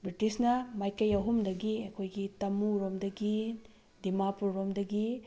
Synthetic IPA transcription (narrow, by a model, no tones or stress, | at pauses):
bɾitisnɐmajkɐjɐɦumdɐɡiɐkʰojɡitɐmuɾomdɐɡi | dimapuɾɾomdɐɡi